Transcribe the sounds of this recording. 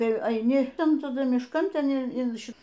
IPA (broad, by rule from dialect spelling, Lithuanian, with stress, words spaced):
ˈtɐɪ ɐɪˈnʲɪ ˈtɐn tɐˈdʊ mʲɪʃˈkɐn ˈtʲɛn ɪn ˈʃʲɪ